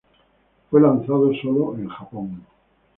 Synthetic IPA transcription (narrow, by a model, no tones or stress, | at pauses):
fwe̞lanθað̞osoloẽŋxapoŋ